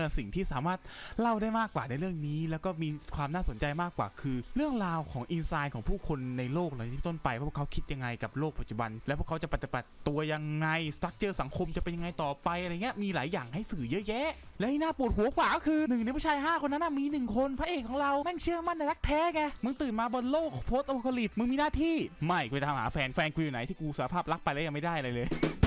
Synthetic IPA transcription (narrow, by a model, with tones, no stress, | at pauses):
si˨˩ŋt̪ʰiː˥˩saː˩˦maː˥˩t̪̚la˥˩wdaː˥˩jmaː˥˩kːwaː˨˩na˧jɾɯ˥˩əŋniː˦˥lɛː˦˥wkɔː˥˩miː˧kʰwaː˧mnaː˥˩so˩˦nt͡ɕa˧jmaː˥˩kwa̰ː˨˩kʰɯː˧ɾɯ˥˩əŋɾaː˧wkʰɔː˩˦ŋʔi˧nsaː˧jkʰɔː˩˦ŋpʰuː˥˩kʰo˧nːa˧jloː˥˩k̚la˧˩n˧iː˦˥˧t̪o˥˩npa˧jwaː˥˩˥ə˩kʰa˦˥wkʰi˦˥t̪̚ja˧ŋːa˧jka˨˩p̚loː˥˩k̚pa˨˩t̪̚t͡ɕu˨˩ba˧nlɛ˧˦˥pʰu˥˩kʰt͡ɕa˨˩pa˨˩t̪ːi˨˩ba˨˩t̪ːu˧ɐja˧ŋːa˧jst̪ɾa˦˥k̚t͡ɕɤː˧sa˩˦ŋkʰo˧mt͡ɕa˨˩pe˧nja˧ŋa˧jt̪ɔː˨˩pa˧jʔa˧a˧˨ŋːi˦˥ɐ˧ʔmiː˧laː˩˦jːaː˨˩ŋha˥˩jsɯː˨˩jɤ˦˥jɛ˦˥ | lɛ˦˥i˥˧˩naː˥˩pu˨˩ət̪̚ɦu˨˩˦ɐkwaː˨˩kɔ˥kʰɯː˧nɯ˨˩ŋn˧jpʰa˧˥˩t͡ɕʰaː˧jɦaː˥˩ko˧nːa˦˥nːʔa˥˩miː˧nɯ˨˩ŋkʰo˧npʰa˦˥ʔeː˨˩kʰːɔː˨˦ŋɾa˧wmɛ˥˩ŋt͡ɕʰɯ˥˩əma˥˩nda˧˩ɾa˦˥k̚t̪ʰɛː˦˥ŋɛ˧˩mɯ˧ŋt̪ɯː˨˩nmaː˧bɔː˧nloː˥˩k̚pʰoː˦˥t̪̚ʔo˧kʰa˧li˨˩p̚mɯ˧ŋmiː˧naː˥˩t̪ʰiː˥˩ma˥˩jkɔ˧t̪ʰaː˧mɦaː˩˦fɛː˧nfɛː˧nkʰuː˧juː˨˩na˩˦jt̪ʰiː˥˩kuː˧saː˨˦˧pʰaː˥˩p̚la˦˥k̚pa˧jlɛː˦˥ja˨˧ŋma˥˩jdaː˥˩jʔa˧ɾa˧jlɤː˧j